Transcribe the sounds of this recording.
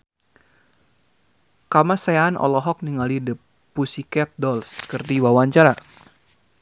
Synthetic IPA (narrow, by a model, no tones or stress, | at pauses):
kamasaanʔɔ̰lɔɦɔk̚niŋalidəpː | usikɛt̪̚dɔlskərt̪iwawaɲt͡ʃaɾa